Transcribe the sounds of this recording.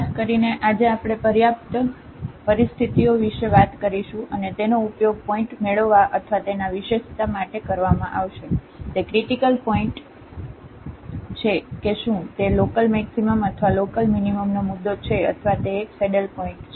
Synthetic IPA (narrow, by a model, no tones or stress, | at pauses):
kəɾineʔad͡ʒeapɽ̃epəɾjap̚t̪ | pəɾist̪ʰit̪ioʋiʃeʋat̪kəɾiʃũʔənet̪enoupjoɡ̚pɔĩʈmeɭəʋːaʔət̪ʰʋat̪enaʋiʃeʃt̪amaʈekəɾʋamãʔaʋʃe | t̪ekɾiʈikəlpɔĩɳʈ | t͡ʃʰekeʃũt̪elokəlmɛksiməmət̪ʰʋalokəlminiməmnomud̪ːot͡ʃʰeə̰t̪ʰʋat̪eːkseɖəlpɔĩɳʈt͡ʃʰe